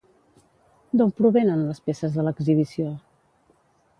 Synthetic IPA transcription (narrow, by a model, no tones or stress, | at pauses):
d̪ompɾuβenənləspesəzðələɡziβisio